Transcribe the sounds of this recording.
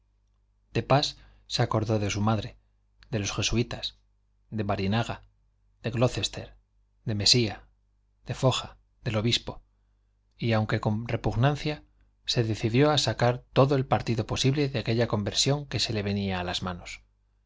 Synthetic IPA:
d̪̥e̞pasː | eako̞ɾðo̞ðe̞sumaðɾe̞ | ðe̞lo̞sxe̞suit̪as | d̪e̞βaɾinaɣa | ð̥e̞ɣlo̞θe̞st̪e̞ɾ | d̪e̞me̞sia | ð̥e̞fo̞xa | ðe̞lo̞βispo̞ | iawŋke̞ko̞mre̞puɣnanθja | se̞ðe̞θiðjo̞asakaɾt̪o̞ðo̞e̞lpaɾt̪iðo̞po̞siβle̞ðeake̞ʎako̞mbe̞ɾsjo̞ŋke̞se̞le̞βe̞niaːlazmano̞s

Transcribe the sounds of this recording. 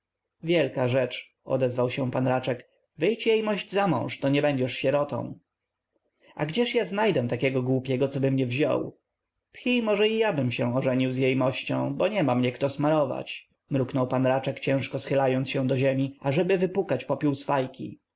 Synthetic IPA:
vʲjɛlkaʐɛt͡ʂ | ɔ̰d̪ɛzvawɕɛ̃w̃panɾat͡ʂɛk | vɘjt͡ɕjejmɔʑd͡ʑzamɔ̰̃w̃ʂt̪ɔɲɛbɛɲd͡ʑɛʂɕɛɾɔt̪ɔ̰̃w̃ | ʔa̰ɡd͡ʑɛʂjaznajd̪ɛ̃t̪akʲɛɡɔɡwupʲjɛɡɔt̪sɔbɘmɲɛvʑɔ̰w | pxʲimɔʐɛijabɘmɕɛ̃ɔʐɛɲiwzjejmɔɕt͡ɕɔ̃w̃bɔɲɛmamɲɛkt̪ɔsmaɾɔva̰t͡ɕ | mɾuknɔwpanɾat͡ʂɛkt͡ɕɛ̃w̃ʂkɔsxɘlajɔnt̪ɕɛw̃d̪ɔʑɛmʲiaʐɛbɘvɘpukat͡ɕpɔpʲjuwsfajkʲḭ

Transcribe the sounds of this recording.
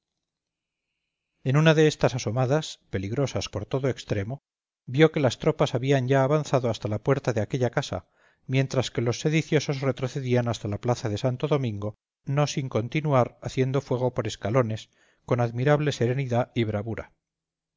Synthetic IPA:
e̞nunaðe̞est̪asaso̞maðaspe̞liɣɾo̞saspo̞ɾt̪o̞ðo̞e̞kst̪ɾe̞mo̞ | bjo̞ke̞last̪ɾo̞pasaβiaɲɟaːβanθaðo̞ast̪alapwe̞ɾt̪aðe̞ake̞ʎakasa̰ | mje̞nt̪ɾaske̞lo̞sːe̞ðiθjo̞so̞zre̞t̪ɾo̞θe̞ðianast̪alaplaθaðe̞sant̪o̞ðo̞mĩŋɡo̞ | no̞siŋko̞nt̪inuaɾaθje̞nd̪o̞fwe̞ɣ̞o̞po̞ɾe̞skalo̞ne̞s | ko̞naðmiɾaβle̞se̞ɾe̞niðaiβ̞ɾaβuɾa̰

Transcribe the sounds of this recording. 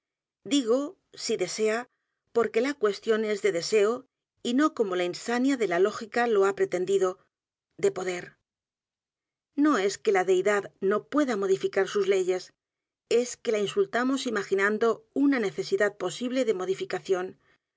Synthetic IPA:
d̪iɣ̞o̞ | siðe̞se̞a | po̞ɾke̞lakwe̞st̪jo̞ne̞zðe̞ðe̞se̞o | ino̞ko̞mo̞lainsanjaðe̞lalo̞xikalo̞apɾe̞t̪e̞nd̪iðo̞ | d̪e̞po̞ðe̞ɾ | no̞e̞ske̞laðe̞jðaðno̞pwe̞ðamo̞ðifikaɾsuzle̞ʝe̞s | e̞ske̞lainsult̪amo̞simaxinãnd̪o̞unane̞θe̞siðað̚po̞siβle̞ðe̞mo̞ð̞ifikaθjo̞n

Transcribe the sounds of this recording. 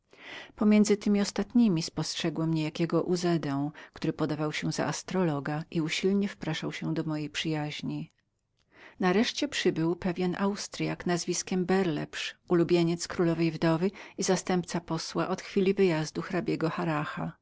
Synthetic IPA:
pɔmʲjɛnd̪zɘt̪ɘmʲiɔst̪at̪ɲimʲispɔstʂɛɡwɔmɲɛjakʲɛɡɔʔuzɛd̪ɛ̃w̃kt̪uɾɘpɔd̪avawɕɛza̰ʔast̪ɾɔlɔɡaʔiuɕilɲɛfpɾaʂawɕɛ̃d̪ɔmɔjejpʂɘjaʑɲi | naɾɛʂt͡ɕɛpʂɘbɘwpɛvʲjɛnʔawst̪ɾjaknazvʲiskʲɛmbɛɾlɛ̰pʂulubʲjeɲɛt̪skɾulɔvɛjvd̪ɔvɘizast̪ɛmpt̪sapɔswaʔɔt̪xfʲilʲivɘjazd̪uxɾabʲjɛɡɔxaɾaxa̰

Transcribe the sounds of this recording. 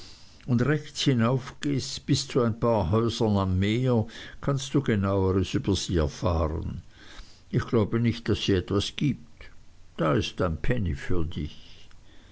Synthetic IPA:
ʊndʁɛçt͡shinaʊfɡ̥eːstb̥ɪst͡suaɪnpʰaːɐɦɔʏzənamːeːɐkʰanstd̥uːɡenaʊəʁəsyːb̥ɐz̥iːɛɐfaːʁə̰n | ɪçɡ̥laʊbənɪçtd̥asːiːɛtv̥asɡ̥iːp̚td̥aːɪstaɪnpʰɛnifyːɐdɪ̰ç

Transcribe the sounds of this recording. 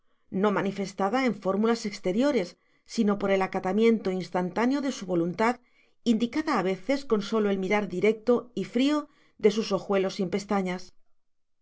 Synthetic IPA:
no̞manife̞st̪aðae̞ɱfo̞ɾmulase̞kst̪e̞ɾjo̞ɾe̞sː | ino̞po̞ɾe̞lakat̪amjẽ̞nt̪o̞inst̪ant̪anjo̞ðe̞suβo̞lunt̪að | ind̪ikaðaːβ̞e̞θe̞sko̞nso̞lo̞e̞lmiɾaɾðiɾe̞k̚t̪o̞ifɾio | ðe̞suso̞xwe̞lo̞simpe̞st̪aɲas

